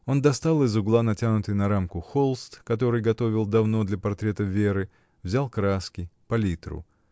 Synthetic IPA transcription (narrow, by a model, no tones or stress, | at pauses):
o̞nd̪ɐst̪alˠɨzʊɡlˠanɐtʲanʊt̪ɨjnɐɾamkʊxolˠst̪kɐt̪o̞ɾɨjɡɐt̪o̞vʲɪlˠd̪ɐvno̞d̪lʲɐpɐrt̪ɾʲe̞t̪əvʲe̞ɾɨ | vzʲalˠkɾaskʲɪpɐlʲit̪ɾʊ̰